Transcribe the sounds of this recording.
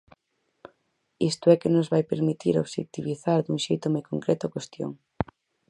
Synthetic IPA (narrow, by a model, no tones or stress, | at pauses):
ist̪ʊɛkenozβajpeɾmit̪iɾoβʃḛk̚t̪iβiθaɾd̪uŋʃejt̪ʊmɔjkoŋkɾɛt̪ʊɔkwest̪jo̰ŋ